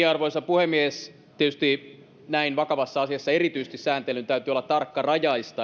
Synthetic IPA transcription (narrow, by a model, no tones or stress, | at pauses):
iɑrʋoisɑpuhemːies | t̪iet̪yst̪i | næinʋɑkɑʋɑsːɑɑsiɑsːɑerit̪yise̥st̪issæːnt̪elynt̪æyt̪yolːɑt̪t̪ɑrkːɑrɑjɑist̪ɑ